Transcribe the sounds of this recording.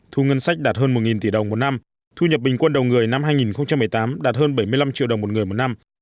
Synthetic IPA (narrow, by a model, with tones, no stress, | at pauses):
t̪ʰu˧ŋə˧nsa˦˥jk̚ɗaː˨˩t̚ɦəː˧nmo˨˩ŋi˨˩nt̪i˧˩ɗə˨˩wŋ͡mmo˨˩t̚na˧m | t̪ʰu˧ɲə˨˩p̚ɓï˨˩ŋ̟kwə˧nɗə˨˩wŋ͡mŋɨ˨˩əjna˧mɦaː˧jŋi˨˩nxə˧wŋ͡mt͡ɕa˧mːɨ˨˩ə˩jt̪aː˨˦mɗaː˨˩t̚həː˧nɓə˧˩jmɨ˧əjla˧mt͡ɕḭ˧˨ɗə˨˩wmo˨˩ŋɨ˨˩əjmo˨˩t̚na˧m